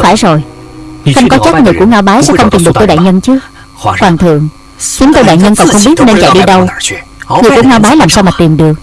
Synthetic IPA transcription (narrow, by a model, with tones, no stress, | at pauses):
faː˧˩jzo˨˩jxə˧wŋ͡mkɔ˨˦t͡ɕa˦˥t̚ŋɨ˨˩əjku˧˩əŋaː˧wɓaː˨˦jsɛ̰˧˥xə˧wŋ͡mt̪i˨˩mɗk̚t̪o˧ɗa̰ː˧˨jɲə˧nt͡ɕɨ˨˦ | kwaː˨˩nt̪ʰɨ̰˧˨əŋ | xi˨˦nt̪o˧jɗa̰ː˧˨jɲə˧nkɔ˨˩nxə˧wŋ͡mɓi˦˥t̚ne˧nt͡ɕa̰˧˨jɗi˧ɗə˧w | ŋɨ˨˩əjku˧˩əŋaː˧wɓaː˨˦jlaː˨˩msaː˧wmaː˨˩t̪i˨˩mɗɨ˨˩ək̚